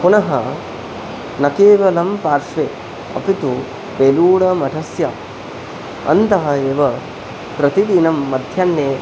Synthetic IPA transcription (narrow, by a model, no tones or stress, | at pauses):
punɐɦɐ | nɐkeːʋɐlɐmpaːɾʃʋeː | ɐ̰pit̪u | peːluːɽɐmɐʈʰɐsjɐ | ɐ̰nt̪ɐɦɐeːʋɐ | pɾɐt̪id̪inɐmːɐd̪ʱjɐnːeː